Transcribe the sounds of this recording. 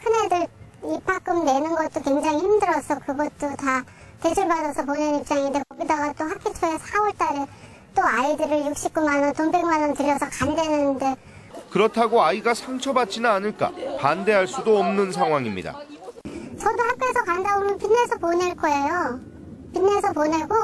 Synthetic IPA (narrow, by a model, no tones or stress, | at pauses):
kʰɯne̞dɯɭipʰak͈ɯmne̞nɯnɡʌt̚t͈okwe̞ŋd͡ʑaŋihimdɯɾʌsʰʌkɯɡʌt̚t͈ota | te̞d͡ʑʰuɭbadʌsʰʌp̬oneɾip̚t͡ɕ͈aŋidekʌɡidaɡat͈oɦakʰit͡ɕʰʌesʰaʌɭt͈aɾe | t͈oaidɯɾɯɭjuk̚ɕ͈ip̚k͈umanʌntombe̞ŋmanʌntɯɾjʌsʰʌkande̞nɯnde̞ | kɯɾʌtʰaɡoaiɡasʰaŋt͡ɕʰʌbat̚t͡ɕ͈inaːnɯɭk͈a̰pande̞ɦaɭs͈udoʌmnɯnsʰaŋɦwaŋimɲḭda̰ | t͡ɕʌdohap̚k͈esʰʌkandabomɯnpinːe̞sʰʌponeɭk͈ʌe̞jo | pinːe̞sʰʌpone̞ɡo